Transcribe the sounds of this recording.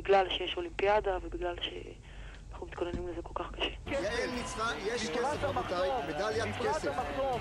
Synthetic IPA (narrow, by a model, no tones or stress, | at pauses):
biɡlalʃejeʃo̞limpijadavebiɡlalʃe̞̰ | anaχnumit̪kʰonenimlezeko̞lkaχkḁʃejaelnit͡sʁajeʃkeefmt̪ajmed̪aljaneseao